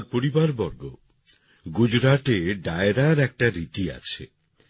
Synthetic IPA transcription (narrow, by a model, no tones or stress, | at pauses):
ɾpoɾibaɾbɔɾɡo | ɡud͡ʑɾaʈeɖaeɾaɾɛk̚ʈaɾit̪ia̰t͡ɕʰe